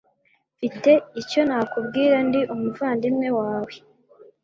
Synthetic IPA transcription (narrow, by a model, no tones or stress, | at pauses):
fite̞ico̞naːkubɡiːɾandiʔumuvaːndimŋe̞waːwe̞